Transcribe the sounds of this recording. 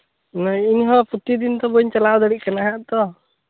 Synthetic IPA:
nainɦɔ̃put̪id̪int̪ɔbɔɲt͡ʃalawd̪əɽiʔkanaɦaʔt̪ɔ

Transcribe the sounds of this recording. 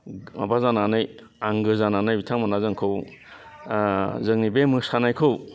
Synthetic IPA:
a̰bazananɯj | aŋɡɯzananɯjbitʰaŋmanazɯŋkʰɯw | zɯŋnibemɯsanajkʰɯw

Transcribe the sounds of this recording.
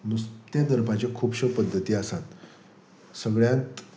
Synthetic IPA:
nust̪jad̪əɾpat͡ɕjakʰuːpɕəpəd̪ʱːət̪iːasat̪ | səɡɭjãnt̪

